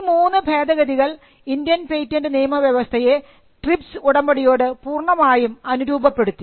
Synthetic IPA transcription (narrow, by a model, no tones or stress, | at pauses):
muːnːɨbʱe̞ːd̪ɐɣɐd̪iɣɐɭ | ind̪jɐnpejtːɐndɨniːmɐʋjɐʋɐst̪ʰɐje̞ | ʈripsuɽɐmbɐɽijo̞ːɽɨpuːrɳɐmaːjumɐnuɾuːbʱɐpːe̞ɽut̪ːi